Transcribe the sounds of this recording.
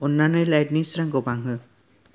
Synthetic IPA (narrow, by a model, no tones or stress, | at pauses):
ʊnːanɔjlajdnisɾaŋɡɔbaŋɦɯ